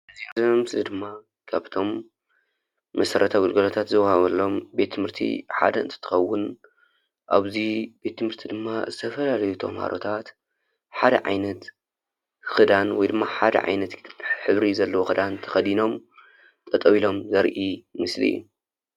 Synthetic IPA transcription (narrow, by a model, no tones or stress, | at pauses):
ʔɨziazmɨslid̪ɨmːa | kʰaβt̪ʰo̞m | ɐsɐɾɐt̪ʰaɡɨlɡɐlot̪ʰat̪zɨwɐhaβɐlːo̞mbe̞t̪ʰːɨmhɨɾt̪ʰḭħa̰d̪ɐʔɨnt̪ʰɐ̥t̪ʰːɨ̥xɐwːʊn | ʔa̰βzib̥e̞t̪ːɨmhɨɾt̪ʰid̪ɨmːazɨt̪ʰɐfɐlalɐjut̪ʰo̰mha̰ɾʔo̰t̪ʰat̪ | ħad̪ɐ̰ʕajnɐt̪ | xɨd̪anwɔjd̪ɨmːaħad̪ɐ̰ʕa̰jnɐt̪ħɨβɾizɐlːɐwoxɨd̪ant̪ʰɐ̥xɐd̪ino̞m | t̪ʼɐt̪ʼɐβilo̞mzɐɾʔimɨslḭjṵ